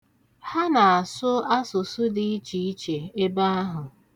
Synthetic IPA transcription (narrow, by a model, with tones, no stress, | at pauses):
ha˦na˨a˨sʊ˦a˦sʊ˨sʊ˦di˦i˦t͡ʃi˨i˦t͡ʃe˨e˦ba˦a˦ɦʊ˨